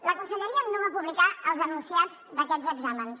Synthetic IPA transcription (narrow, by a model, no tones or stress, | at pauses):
ləkunsəʎəɾiəmnoβapuβlikaəlˠzənunsiad͡z | d̪əkɛdzəɡzaməns